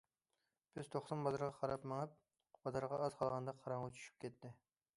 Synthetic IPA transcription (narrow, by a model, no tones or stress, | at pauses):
b̥ɪz̥t̪ʰoχsɑnbɑzɨɾʁɑqʰɑɾɑpmɨŋɨp̚ | b̥ɑzɨɾʁɑːzqʰɑlˠʁɑnd̪ɑqʰɑɾɑŋːɑt͡ʃʰy̥ʃy̥p̚kʲɛt̪ʰːɪ